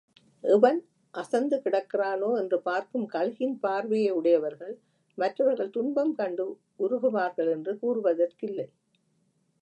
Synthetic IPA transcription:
ʔɛʋɐn | ʔɐsɐnd̪ɯkɪɽɐkːɪraːnoːɛndrɯpaːɾkɯmkɐɻɣɪnpaːɾʋɛjɐɯɽɐjɐʋɐɾɣɐɭ | mɐtrɐʋɐɾɣɐɭt̪ʊnbɐmkɐɳɖɯ | ʊɾʊɣɯʋaːɾɣɐɭɛndrɯkuːrɯʋɐðɐrkɪlːɐɪ

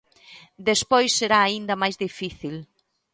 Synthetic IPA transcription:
d̪espojsːeɾaːind̪ɐmajzðifiθil

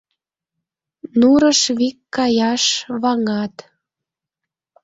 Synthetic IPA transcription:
nuɾəʃβikːɑjɑʃβɑŋɑt̪

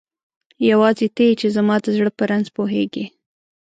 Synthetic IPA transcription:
jawɑzet̪et͡ʃezamɑd̪əzɽəpəɾanzpoɦeɡe

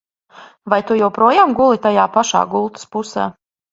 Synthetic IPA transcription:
vajt̪ujɛwpɾuɔjaːmɡulˠit̪ajaːpaʃa̰ːɡulˠt̪ɨ̥spusa̰ː

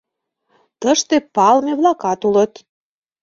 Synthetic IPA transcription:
t̪əʃt̪epɑlmeβlɑkɑt̪ulət̪

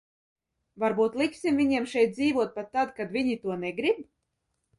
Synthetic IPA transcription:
vaɾbuːt̪lˠiksʲimvʲiɲiɛmʃɛjt̪̚d̪ziːvuɔt̪̚pat̪ːad̪kad̪vʲiɲit̪uɔnɛɡɾib

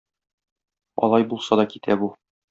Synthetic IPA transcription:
ɒ̰lˠɑjbulˠsɑd̪ɒkit̪ʰæbu

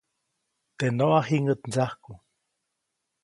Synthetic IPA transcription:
t̪enoahiŋət̪nzahku

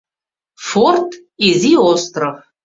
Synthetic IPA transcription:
fort̪ʰʼ | izʲiost̪rɐv

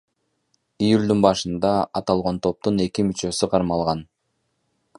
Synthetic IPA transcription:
ijulʲd̪unbɑʃɯnd̪ɑɑt̪ɑlˠʁo̞nt̪ʰo̞p̚t̪une̞kimyt͡ʃø̞syqʰɑɾmɑlˠʁɑn

